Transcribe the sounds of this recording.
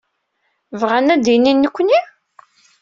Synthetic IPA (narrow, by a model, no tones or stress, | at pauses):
vʁænæd̪ininːəkʷːni